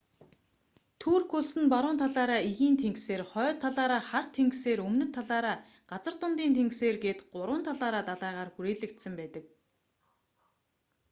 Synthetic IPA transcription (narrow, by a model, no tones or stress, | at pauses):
t̪ʰuːrxuɮsɘ̆npaɾʊːnt̪ʰaɮaːɾaːiɣiːnt̪ʰeŋkseːrχœːt̪ʰːaɮaːɾaːχar̥t̪ʰeŋkseːɾɵmnɵ̆t̪ʰːaɮaːɾaː | ɢ̥at͡sə̆r̥t̪ʊnt̪iːnt̪ʰeŋkseːrɡeːt̪ɢʊɾwʊ̆ːnt̪ʰaɮaːɾaːt̪aɮaːʁaːrxuɾeːɮɘ̆kt̪sə̆mpæːt̪ə̆k̚